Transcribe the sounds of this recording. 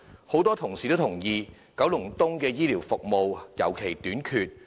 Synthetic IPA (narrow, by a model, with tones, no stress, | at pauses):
ho˨˥wt̪ɔː˥t̪ʰʊ˨˩ŋsiː˨˩t̪o˥wt̪ʰʊ˨˩ŋjiː˨˧ | kɐ˨˥wlʊ˨˩ŋt̪ʊ˥ŋkɛː˧jiː˥liː˨˩wfʊ˨k̚mo˨wjɐ̰˨˩wkʰe˨˩jt̪yː˨˥nkʰyː˧t̚